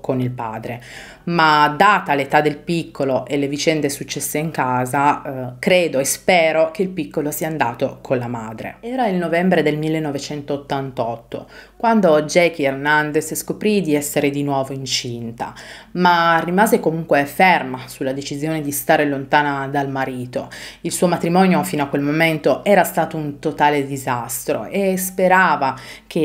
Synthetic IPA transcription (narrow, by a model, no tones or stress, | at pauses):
konilpa̰ːd̪ɾe | mad̪aːt̪alet̪ad̪elpikːoloʔelːevit͡ʃɛnd̪esut͡ʃːɛsːeiŋkaːzakɾeːd̪oespɛːɾok̟eilpikːolosiːaːnd̪aːt̪okʰonlamaːd̪ɾḛɛːɾailnovɛmbɾed̪elmilːenːovet͡ʃɛnt̪oːt̪ːant̪ɔt̪ːo̰kwand̪od͡ʒɛkiernand̪esskopɾid̪iɛsːeɾed̪inwɔːvoint͡ʃint̪a̰marːimaːzekomuŋkwefermasulːad̪et͡ʃizjoːned̪ist̪aːɾelont̪aːnad̪almaɾiːt̪oilsuːomat̪ɾimɔːnjofinoakwelmoment̪oʔɛːɾast̪aːt̪ount̪ot̪aːled̪izast̪ɾo̰ʔespeɾaːvak̟ʰe